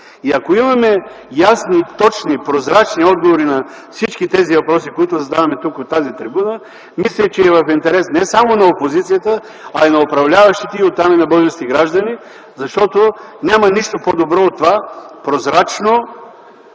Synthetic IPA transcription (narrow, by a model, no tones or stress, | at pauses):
iɐkoimɐmɛ | jasnit̪ɔt͡ʃnipɾozɾat͡ʃniɔd̪̚ɡovoɾinɐ | fsit͡ʃkit̪ɛzivɐpɾɔsikoit̪ʊzɐd̪avɐmɛt̪ukot̪ːazit̪ɾibunə | mislʲɛt͡ʃɛːvɐfint̪ɛɾɛsnɛsamonɐopozit̪sijət̪ə | ɐinɐopɾɐvlʲavɐʃt̪it̪ɛiot̪ːaminɐbɤzɛst̪iɡɾaʒd̪ɐni | zɐʃt̪ɔt̪onʲamɐniʃt̪opod̪obɾɔot̪ːovapɾozɾat͡ʃno